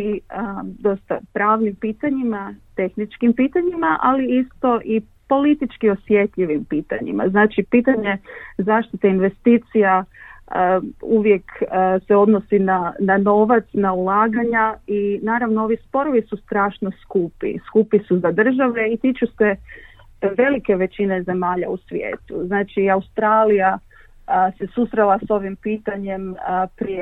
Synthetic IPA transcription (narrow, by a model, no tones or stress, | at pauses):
iəd̪o̞st̪a̰pɾaːʋnimpiːt̪aɲimat̪e̞xnit͡ʃkimpiːt̪aɲimaʔaliist̪o̞ʔi | po̞lit̪it͡ʃkio̞sje̞t̪ʎiʋimpiːt̪a̰ɲḭma̰znaːt͡ʃipit̪aɲe̞zaːʃt̪it̪einʋe̞st̪iːt̪sija | uʋje̞kseo̞d̪no̞sinanano̞ʋat̪snaulaːɡaɲainaːɾaʋnoo̞ʋispo̞ɾo̞ʋisust̪ɾaːʃno̞skupḭskupisuzad̪r̩ʒaʋe̞it̪it͡ʃuse | ʋe̞like̞ʋe̞t͡ɕine̞ze̞maːʎausʋjḛːt̪uznaːt͡ʃiaust̪ɾaːlija | se̞susɾelˠaso̞ʋimpiːt̪aɲe̞mpɾi